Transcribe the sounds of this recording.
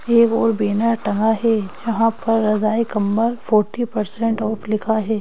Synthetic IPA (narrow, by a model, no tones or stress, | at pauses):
eːkɔːɾbeːnaʈɐ̃ŋɡaɦɛːd͡ʒɐɦãpɐɾːɐzaːikɐmːəɾfɔːɾʈipɐɾsɛ̃ɳʈɔːflɪkʰaɦɛː